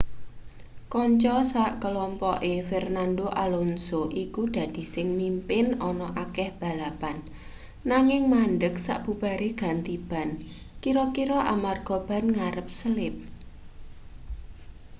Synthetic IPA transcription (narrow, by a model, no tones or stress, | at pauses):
kɔɲt͡ʃɔsaʔkəlɔmpɔʔefɛrnandoʔalonsoʔikud̪̥ä̤d̪̥i̤sɪŋmimpɪnɔnɔʔakɛhb̥a̤lapanː | aŋɪŋmanɖək̚sa̰ʔb̥ṳb̥a̤ɾeɡ̥a̤nt̪ib̥a̤n | kiɾɔkiɾɔʔamarɡ̥ɔ̤b̥ä̤nŋaɾəp̚səlɪp̚